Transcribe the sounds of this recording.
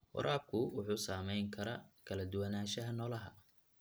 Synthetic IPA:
wɔ̰ɾʔaːb̚kʰʊwʊħuːsaːmɛjŋkʰɐɾɐkʰɐlɐd̪ʊwɐnaːʃɐɦɐnɔːlɐɦɐ̰

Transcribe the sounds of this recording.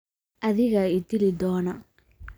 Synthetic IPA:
ʔɐðɪɣɐɪd̪ɪlɪd̪ɔːnɐ

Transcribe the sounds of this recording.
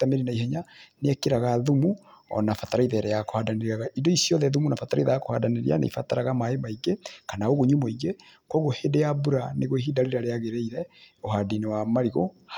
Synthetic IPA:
tameɾinaiɦɛɲaneɛkeɾaɣaðumuɔ̰nafataɾaiðɛɾɛako̥hadaneɾiaɣaʔidɔisjɔðɛðumunafataɾa̰iðaakohadaneɾḭa̰na̰ḭfataɾaɣamaemaiɡekanaoɣoɲumoiɡe | kwɔɣohedejabuɾaneɣoeɦidaɾeɾaɾeaɣeɾeiɾɛoɦadinewamaɾiɣo̰h

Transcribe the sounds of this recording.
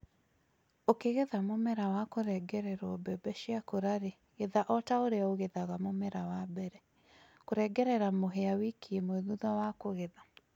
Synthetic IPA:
okeɣeðamomɛɾawakoɾɛɡɛɾɛɾɔbɛbɛʃiakoɾaɾe | ɣeðaʔɔtaoɾeaoɣeðaɣamomɛɾawabɛɾɛ | koɾɛɡɛɾɛɾamoɦeawikiemoeðuðawakoɣeða

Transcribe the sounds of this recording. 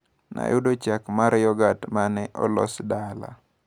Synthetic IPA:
na̰jʊdot͡ʃakmaɾjɔɡatmanɛʔɔlɔ̰sdala̰

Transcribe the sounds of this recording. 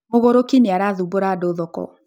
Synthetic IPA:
moɣoɾokineaɾaðuboɾadoːðɔkɔ̰

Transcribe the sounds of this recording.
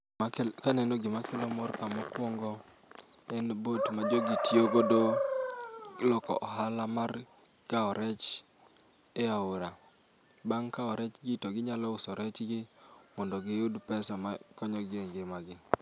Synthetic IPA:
kanɛnoɡɪmakɛlomɔrkamɔkwɔŋɡɔ | ɛnbotmad͡ʒoɡitjoɡodo | lɔkɔ̰ʔɔɦalamar | kaɔɾɛt͡ʃ | eauɾa | baŋkaɔɾɛt͡ʃɡɪtoɡɪɲalɔʊsɔɾɛt͡ʃɡɪmɔndɔɡɪʊdpɛsɔma̰kɔɲɔɡɪeŋɡɪmaɡɪ

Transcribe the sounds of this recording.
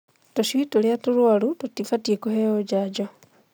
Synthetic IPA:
toʃiitoljatuɾwalutotifatiekuheod͡ʒad͡ʒo

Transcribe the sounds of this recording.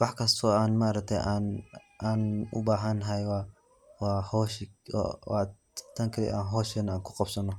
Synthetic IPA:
wɑħkʰɐst̪ʰɔːaːnmaʔɾɐk̚t̪ʰɛ̰ʔan | aːnʊ̰baːɦɐnɦɐjwa | waːhɔʃ | wa̰ | t̪ʰɐŋkʰɐlɛ̰jʔa̰ːnɦɔːʃɛnɐaːŋkʰʊ̥qɑbsɐnɔ

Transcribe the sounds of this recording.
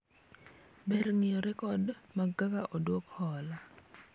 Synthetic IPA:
bɛɾŋɪjɔɾɛkɔdmaɡakaʔɔdwokhɔla

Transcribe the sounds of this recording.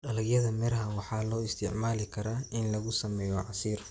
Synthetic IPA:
ɖɐlɐɡjɐðɐmɛɾɦɐwɑħɑːlɔːɪst̪ʰɪʕmaːlɪkʰɐɾaːɪnlɐɣʊsɐmɛːjɔʕɑsiːr

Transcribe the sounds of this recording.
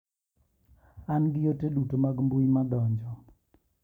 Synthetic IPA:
anɡɪjotedutomaɡmbuimad̪ɔɲd͡ʒɔ

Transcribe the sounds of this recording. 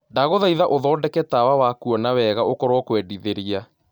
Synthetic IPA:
ndaɣoðaiðaʔoðɔːdɛkɛtawawakuɔnawɛɣaokɔɾwɔkwɛdiðeɾia

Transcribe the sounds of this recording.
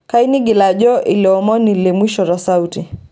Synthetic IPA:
kainiɡilaʄɔʔiliɔmɔnilimwiʃɔɾasauti

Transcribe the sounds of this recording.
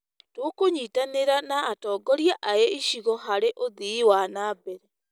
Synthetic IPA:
tokoɲiːtaneɾanaːtɔːɡɔɾjaʔaeiʃiɣɔɦaɾeʔoðiwanaːbɛɾɛ

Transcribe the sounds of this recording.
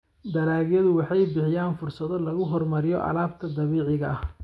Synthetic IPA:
d̪ɐlaːɣjɐðʊwɑħɑjbɪħɪjaːnfʊrsɐðɔlɐɣʊɦɔrmɐɾɪjɔʔɐ̰laːb̚t̪ʰɐd̪ɐβiːʕɪɣɐʔɐh

